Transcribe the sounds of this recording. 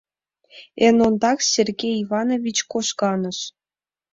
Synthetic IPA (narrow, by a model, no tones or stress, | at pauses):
enond̪ɑksʲerɡʲejivɑnovʲit͡ɕkoʃkɑnə̆ʃ